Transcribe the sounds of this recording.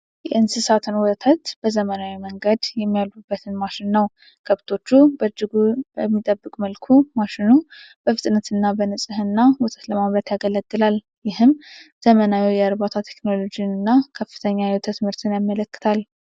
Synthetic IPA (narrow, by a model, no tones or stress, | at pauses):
jɛɨnsɨsat̪ʰɨnwɔt̪ʰət̪b̥əzəmənawiməŋɡəd̪jɛmːijalubːət̪ʰɨnmaʃɪnːəw | kʰəβt̪ʰo̞t͡ʃːubəd͡ʒːɪɡubəmːit̪ʼəbːɨkʼməlkʰumaʃɪnu | b̥əfɨt̪ʼnət̪ʰɨnːabənɨsʼɨhɨnːawɔt̪ʰʼət̪ləmamɾət̪jaɡələɡːɨlal | jɪhɨmz̥əmənawiwjɛəɾbat̪ʰat̪ʰe̞kno̞lo̞d͡ʒijnɨnːakʰəfːɨ̥t̪ʰəɲːajɛwt̪ʰət̪mɨɾt̪ʰɨnjamːələkːɨ̥t̪ʰal